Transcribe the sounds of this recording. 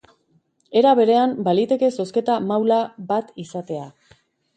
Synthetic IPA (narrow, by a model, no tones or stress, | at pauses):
e̞ɾaβe̞ɾe̞ambalit̪e̞ke̞so̞ske̞t̪amawlabat̪isat̪e̞a